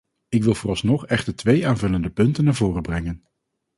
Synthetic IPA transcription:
ɪkʋɪlˠvʊːrɑlˠsnɔχɛχtəɹtʋejaːnvɵləndəpɵntənːaːɹvʊːrəbrɛŋən

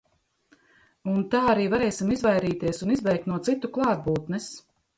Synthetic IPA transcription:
unt̪aːaɾiːvaɾɛjsimizvajɾiːt̪iɛsunizvɛjk̚t̪nuɔt̪sit̪uklˠɑːd̪̚buːt̪nɛs

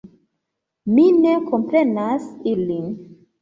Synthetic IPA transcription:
mine̞ko̞mpɾe̞nasilin

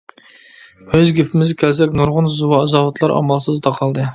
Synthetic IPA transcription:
øzɡʲepʰɪmɪzkʲʰɛlsɛkʲnuɾʁʊnzuwɑːzɑwɑt̪ʰlˠɑɾʔɑ̰mɑlˠsɨzd̪ɑqʰɑlˠd̪ɨ

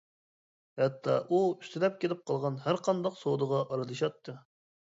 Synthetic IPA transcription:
hɛt̪ʰːɑ̰ʔuyst̪ʰɪlɛp̚kʲelɪp̚qʰɑlˠʁɑnhæɾqʰɑnd̪ɑqsowd̪əʁɑʔɑɾɨd̪ɨʃɑt̪ʰːɨ

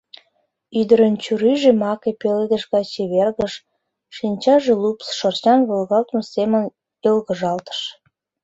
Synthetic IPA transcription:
yd̪əɾənt͡ɕyɾyʒemɑkepeled̪əʃɣɑt͡ɕeβerɣəʃ | ʃinʲt͡ɕɑʒelupsʃort͡ɕɑnβolɣɑlt̪mosemən | elɣə̆ʒɑlt̪ə̥ʃ

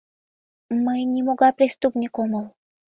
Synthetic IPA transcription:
mɨnʲɪmʊɡapɾʲɪst̪upnʲɪkoməlˠ

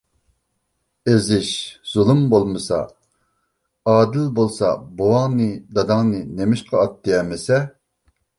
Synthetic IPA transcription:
ezɪʃz̥ulˠɨmbolˠmɨsɑ̰ | ɑːd̪ɪlbolˠsɑ̰bowɑŋnɨd̪ɑd̪ɑŋnɨnemɪʃqʰɑɑt̪ːɨɛmɪsɛ

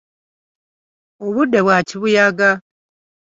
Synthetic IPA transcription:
oβudːeβwaːciβujaɡa

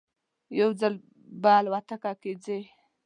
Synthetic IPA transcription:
jawd͡zal | baːlwat̪akaked͡ze

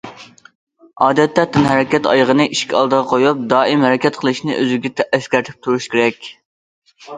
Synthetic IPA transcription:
ɑːd̪ɛt̪ːɛt̪ːɪnɦæɾɛkʲɛt̪ɑ̰jʁənɨʔiʃkʲɑ̰lˠd̪əʁɑqʰojup̚d̪ɑːimhæɾɛkʲɛt̪̚qʰəlˠɨʃnɪ̰ʔø̰zɪɡʲɛt̪ʰɛːskʲæɾt̪ʰɪ̥p̚t̪ʰuɾuʃkʲʰeɾɛkʲ

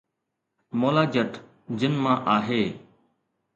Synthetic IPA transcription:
moːlaːd͡ʒəʈ | d͡ʒɪnmãːʔaːɦeː

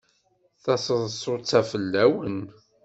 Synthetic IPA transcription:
θæsˤəðˤsˤːot͡sːæfəlːæwən

